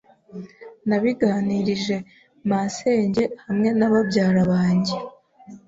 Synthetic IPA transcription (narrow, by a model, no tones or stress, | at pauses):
naβiɡaːniɾiʒe̞ | mase̞ːɲɟe̞hamŋe̞naβabɟaːɾaβaːɲɟe